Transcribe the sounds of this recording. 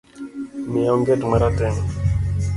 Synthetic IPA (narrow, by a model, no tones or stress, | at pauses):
mijɔŋɡɛtmaɾatɛŋ